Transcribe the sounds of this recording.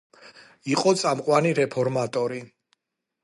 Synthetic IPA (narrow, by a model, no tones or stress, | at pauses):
iqʼɔt̪sʼamqʼwaniɾɛpʰɔɾmat̪ʼɔɾi